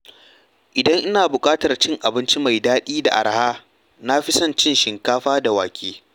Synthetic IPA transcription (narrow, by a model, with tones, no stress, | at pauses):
ʔɪ˨dɐ˦ŋʔɪ˦naː˨bʊ˨kʼaː˦tɐ˨rt͡ʃɪ˦ŋʔa˨bɪ˦nt͡ʃi˦ma˨jdaː˦ɗiː˦da̰˨ʔa̰˨ɾhaː˦ | na˦ɸɪ˦sɐ˦nt͡ʃɪ˦nʃɪ˨ŋkaː˦ɸaː˦da˨waː˨kʲeː˦